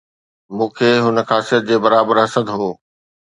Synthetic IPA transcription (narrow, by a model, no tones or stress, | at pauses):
mũːkʰeːɦʊnəxaːsijət̪̚d͡ʑeːbɐɾaːbəɾɦɐsəd̪ɦoː